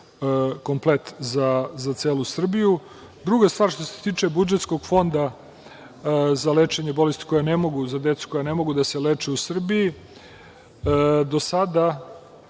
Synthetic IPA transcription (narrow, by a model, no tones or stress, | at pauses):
ko̞mplet̪zazat̪seːlusr̩biju | d̪ɾuɡast̪ʋaːɾʃt̪o̞se̞̥t̪iːt͡ʂe̞bud͡ʒe̞t̪sko̞ɡfo̞nd̪a | zaleːt͡ʂeɲebo̞lest̪i̥ko̞janemo̞ɡuzad̪et̪su̥ko̞jane̞mo̞ɡud̪ase̞leːt͡ʂeusr̩biji | d̪o̞sad̪a